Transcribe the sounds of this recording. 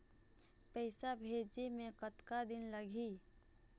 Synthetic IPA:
pɛɪsabʱeːd͡ʒimẽkət̪kad̪ɪnləɡʱiː

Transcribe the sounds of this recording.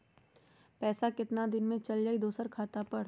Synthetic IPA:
pɛːsakɪt̪nad̪ɪnmẽt͡ʃɐld͡ʒaːid̪oːsəɾkʰaːt̪apɐɽ

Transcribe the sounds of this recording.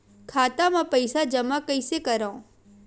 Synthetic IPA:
kʰaːt̪amãpəɪsad͡ʒəmakəjsekəɾaõ

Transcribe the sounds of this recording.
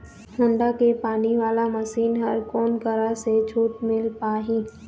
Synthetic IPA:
hʰɐ̃ɳɖakepaːniʋaːlamɐʃiːnɦɐɾkɔːnkɐɾaset͡ʃʰuːʈmɪlpaːɦĩː

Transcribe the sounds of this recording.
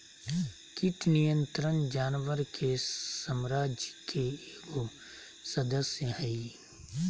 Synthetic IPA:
kɪʈʰnijə̃nt̪ɾənd͡ʒaːnwəɾkʰesəmɾaːd͡ʒkʰeːɡo | sɐd̪əsjəhɛi

